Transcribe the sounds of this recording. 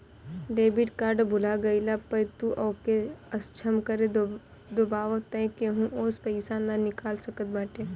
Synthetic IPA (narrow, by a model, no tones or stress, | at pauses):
ɖeːbiʈkaːɾɖbʊlaɡɐilapɐjt̪uʔɔːkeɐst͡ʃʰɐmkɐɾe | d̪obaːʋət̪ɐ̃keɦũʔoːspəɪsananɪkaːlsɐkət̪̚baːʈe